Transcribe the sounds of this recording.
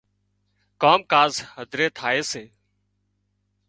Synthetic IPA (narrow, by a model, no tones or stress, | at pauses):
koːmkaːzɦəd̪ʱɾeːt̪ʰaːeːseː